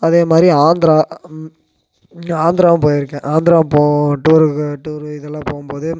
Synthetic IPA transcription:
ɐðeːmaːd̪ɾiaːnd̪ɪɾaː | aːnd̪ɪɾaːʋ̃mpoːjɪɾɯkːẽʔaːnd̪ɪɾãːpoːʈːuɾɯʈːuɾɪðɛlːãːpoːɣɯmpoːðɯ

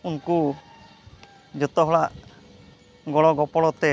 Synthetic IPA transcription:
unku | d͡ʒɔt̪ɔɦɔɭaʔ | ɡɔɭɔɡɔpɔɽɔt̪ɛ

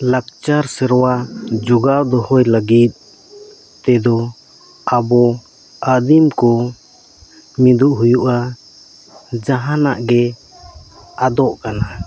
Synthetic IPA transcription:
lak̚t͡ʃaɾsɛɾwad͡ʒuɡawd̪ɔhɔjlaɡit̪̚ˀ | t̪ɛd̪ɔ | abɔ | ad̪imkɔ | mid̪uʔɦujuʔa | d͡ʒaɦanaʔɡɛ | ad̪ɔʔkana

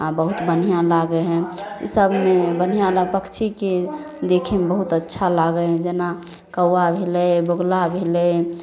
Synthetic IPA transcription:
ãbəɦut̪bənijãlaɡɛɦɛ̃ḭsəbʱmebən̤ijãlapəkt͡ʃʰike | d̪ekʰemebəɦut̪ətːʃʰalaɡəɦɛ̃d͡ʒəna | kəwːabʱelɛboɡlabʱelɛ

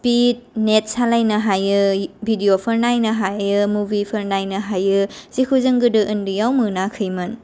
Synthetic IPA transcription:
spit̚net̚salajnɐɦajɯbʱidiopʰəɾnajnɐɦajɯmubipʰɐɾnajnɐɦajɯz̥ikʰuzɯŋɡɯdɯʔɯndɯjawmɯnakʰɯjmɯn

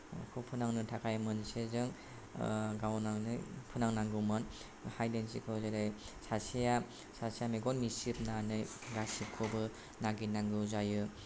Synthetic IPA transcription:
kʰɯpʰɯnaŋnɯtʰakʰajmɯnsezɯŋ | ɡawnanɯpʰɯnaŋnaŋɡɯmɯn | hajdensikʰɯzaɾɯj | sasija | sasijameɡɔnmisipnanɯjɡasikʰubɯ | naɡinaŋɡɯzajɯ

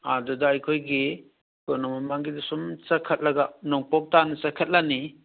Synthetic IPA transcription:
adɔdaajkʰojɡi | kɔnɔmamaŋɡidisumsakʰat̚laɡanɔŋpɔk̚tanɯsakʰət̚lani

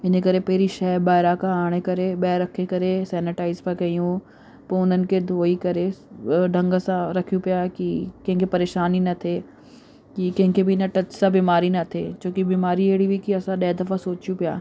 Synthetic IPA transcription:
ɪnekɐɾepɐɦɪɾiʃɐɦbaːɪɾakʰãaːɽ̃ekɐɾeɓɛɾɐkʰekɐɾesɛːnɪʈaːɪzpɐkɐjũ | poʊn̤ənɪ̆kʰed̪ʱoːikɐɾeɖʱɐ̃ŋɡəsãɾɐkʰijũpijaːkikɐ̃ɦɪ̃ŋkʰepɐɾeːʃaːninɐt̪ʰe | kikɐ̃ɦɪ̃ŋkʰebɪɪnəʈɐt͡ɕsãbiːmaːɾinɐt̪ʰeːt͡ɕõːkibiːmaːɾieːɽibikiɐsãɗɐːd̪ɐfasoːt͡ʃijũpija̰ː

